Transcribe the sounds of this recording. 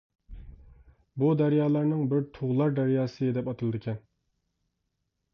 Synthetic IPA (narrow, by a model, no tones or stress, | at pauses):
bud̪æɾjɑːlˠæɾnɪŋbɪɾt̪ʰuʁlˠɑɾd̪æɾjɑːsɨd̪ɛpɑt̪ʰɨlˠɨd̪ɪkʲʰɛn